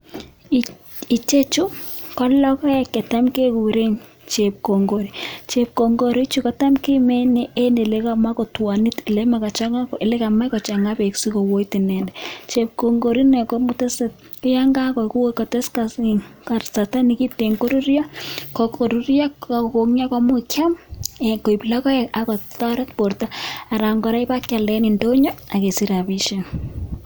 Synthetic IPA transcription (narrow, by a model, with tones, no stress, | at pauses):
i˨t͡ʃe˦t͡ʃu˦kɔ˦lɔ˦kɔ˦ɛ˨ke˨ta˦mke˦ku˨ɾe˦ɲ | t͡ʃe˨p̚ko˨ŋɡo˨ɾi˨t͡ʃe˨p̚ko˨ŋɡo˦ɾi˦t͡ʃu˦ka˨ta˦mki˦mɛ˦ne˨ʔe˦ne˨le˦ka˦ma˦ko˨twa˨ni˦ti˨le˦ma˨ka˨t͡ʃa˦ŋa˦kʔe˨le˦ka˨ma˦kɔ˨t͡ʃa˨ŋɡa˦pe˨ksi˦ko˨wo˦i˦ti˨nɛ˨ndɛ˨t͡ʃe˨p̚ko˨ŋɡo˨ɾi˦nɛ˨ko˦mʊ˦te˦se˨t̚ | kɪ˦ja˦ŋɡa˦kɔ˨ku˦wkɔ˨te˦skaka˨sa˨ta˦ni˨ki˦te˨ŋɡo˦ɾu˦ɾi˦ja˦kɔ˨ko˨ɾu˦ɾi˦a˦a˨ko˨ŋi˦a˦ka˦mʊ˦kja˦me˨ko˨i˨pi˨la˦kɔ˦ɛa˨kɔ˨ta˦ɾɛ˦tpo˨ɾta˦a˨ɾa˨ŋɡɔ˨ɾa˦i˦ba˦ka˨lɛ˨˦ni˨ndo˦ɲɔ˦a˨ke˨si˦ɾa˨βi˦ʃe˦